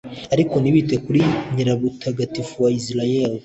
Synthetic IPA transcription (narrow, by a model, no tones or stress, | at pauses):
aɾiko̞niβitekuɾiɲiɾaβutʰaɡatifuwaislajel